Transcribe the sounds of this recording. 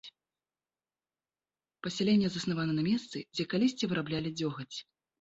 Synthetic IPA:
pɐsʲalʲɛnʲːɛzɐsnavanɐnɐmʲɛst̪sɨd͡zʲɛkalʲisʲt͡sʲivɨɾʔablʲalʲid͡zʲɔɣɐt͡sʲ

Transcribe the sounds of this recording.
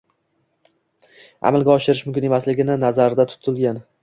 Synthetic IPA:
a̰malˠɡʲaɒʃɪɾɪʃmʊmkʲɪne̞maslɪɡʲɪnɪnazaɾd̪at̪ʰʊ̥t̪ʰɪlˠɡʲan

